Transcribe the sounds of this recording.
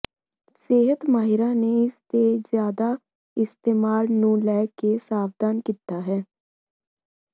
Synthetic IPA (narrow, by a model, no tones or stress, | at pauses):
seːɦət̪maːɦɪɾãːneɪst̪ezjaːd̪a | ɪst̪eːmaːlnũːlɛːkesaːfd̪aːnkiːt̪aːɦɛː